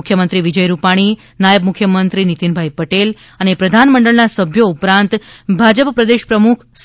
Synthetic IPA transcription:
kʰjəmənt̪ɾiʋid͡ʒəjɾupaɽ̃i | najəbmukʰːjəmənt̪ɾinit̪inbʱajpəʈel | ənepɾəd̪ʱanməɳɖəɭnasəbʱjoupɾãnt̪bʱad͡ʒəppɾəd̪eʃpɾəmukʰs

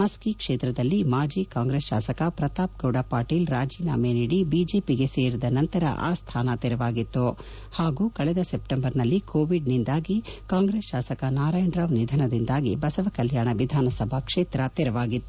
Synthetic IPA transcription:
mɐskikʂeːt̪ɾɐd̪ɐlːimaːd͡ʒiːkaːŋɡɾesʃaːsɐkɐpɾɐt̪aːp̚ɡɐwɽaːpaːʈiːlɾaːd͡ʒiːna̰ːmeniːɽibiːd͡ʒeːpiɡe̞seːɾid̪ɐnɐnt̪ɐɾɐ̰ʔa̰ːst̪ʰaːnɐt̪ɛɾɐʋaːɡit̪ːu | haːɡuːkɐɭɛd̪ɐsep̚ʈembɐɾnɐlːikʰoːʋiɖnind̪aːɡikaːŋɡɾeːsʃaːsɐkɐnaːɾaːjɳɖɾɐʋnid̪ʱɐnɐd̪ind̪aːɡibɐsɐʋɐkɐljaːɳɐʋid̪ʱaːnɐsɐbʱɐkʂeːt̪ɾɐt̪ɛɾɐʋaːɡit̪ːu

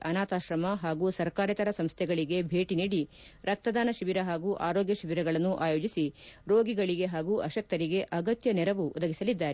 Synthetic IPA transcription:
ʔɐnaːt̪aːʃɾɐmɐɦaːɡuːsɐɾkaːɾɐt̪ɐɾɐsɐmst̪ʰɛɡɐɭiɡe̞bʱe̞ːʈiniːɽiɾɐk̚t̪ɐd̪aːnɐʃiʋiɾɐɦaːɡuːʔaːɾoːɡjɐʃiʋiɾɐɡɐɭɐnːuʔa̰ːjoːd͡ʒisiɾoːɡiɡɐɭiɡe̞ɦaːɡuːʔɐʃɐk̚t̪ɐɾiɡe̞ʔɐɡɐt̪jɐnɛɾɐʋuʔɔd̪ɐɡisɐlid̪ːaːɾe

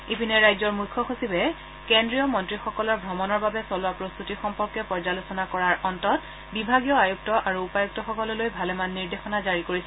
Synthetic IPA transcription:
ipinɛɹajzɔɹmujkʰːɔxosibɛ | kendɹijɔmɔntɹixɔkɔlɔɹbʱɹɔmɔnɔɹbabɛsɔlʊapɹost̪utixɔmpɔɹkɛpɔɹzalosɔnakɔɹaɹʔɔntɔt | bibʱaɡijɔajuk̚tɔʔaɹuːpajuk̚tɔxɔkɔlɔlojbʱalɛmanːiɹdexɔnazaɹikoɹisɛ

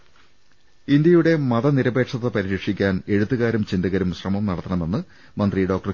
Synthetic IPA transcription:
ind̪jɐjuɽe̞mɐðɐniɾɐbe̞ːʈʂɐðːɐpɐɾiɾikʂikʲːaːne̞ɻut̪ːɨɣaːɾumt͡ɕind̪ɐɣɐɾumɕrɐmɐmnɐɽɐt̪ːɐɳɐme̞nːɨ | mɐnd̪riɖo̞ːk̚ʈɐr

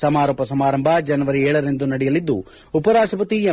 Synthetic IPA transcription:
sɐmaːɾoːpɐsɐmaːɾɐmbʱɐd͡ʒɐnɐʋɐɾiɛːɭɐɾend̪unɐɽɛjɐlid̪ːu | upɐɾaːʂʈɾɐpɐt̪ie

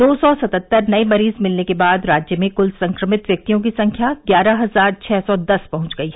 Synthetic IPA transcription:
d̪oːsɔsɐt̪ət̪ːəɾnɐemɐɾiːzmɪlnekebaːd̪ɾaːd͡ʒjəmẽkʊlsɐ̃ŋkɾəmɪt̪ʋjɐk̚t̪ijõk̬isɐ̃ŋkʰjaɡjaːɾaɦɐzaːɾt͡ʃʰɛːsɔd̪ɐspɐɦʊ̃t͡ʃɡɐiɦɛ

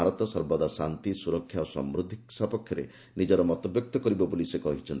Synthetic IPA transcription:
aɾɔt̪ɔsɔɾbɔd̪asant̪isuɾɔkʰːjaosɔ̰mɾud̪ʱiksapɔkʰjɔɾḛ | nid͡ʒɔɾɔmɔt̪ɔbjɔk̚t̪ɔkɔɾibɔbolisekɔɦit͡ʃʰɔnt̪

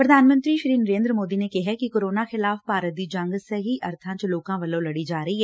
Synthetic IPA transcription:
pɾɐd̪ʱaːnmə̃nt̪ɾiʃɾiːnəɾẽːnd̪ɾmoːd̪inekɛɦɛkikoːɾoːnaxɪlaːfpaːɾəd̪id͡ʒɐ̃ŋɡseɦiʔɐɾt̪ʰãːt͡ʃloːkãʋɐlolɐɽid͡ʒaːɾɐɦiɦɛː

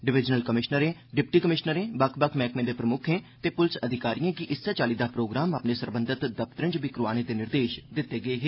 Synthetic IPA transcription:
ɖɪʋɪd͡ʒnəlkəmɪʃnəɾẽːɖɪpʈiːkəmɪʃnəɾẽːbəkʰbəkʰmɛːkmẽːd̪eːpɾəmʊkʰẽːt̪eːpʊlɪsəd̪ʱɪkaːɾiːãːkɪʔɪsːet͡ʃaːliːd̪aːpɾoːɡɾaːmapneːsəɾbə̃nd̪ɪt̪d̪əp̚t̪ɾɪ̃ɲd͡ʒbɪkɾʊʋaːñẽːd̪eːnɪɾd̪eːʃd̪ɪt̪ːeːɡəeːɦeː

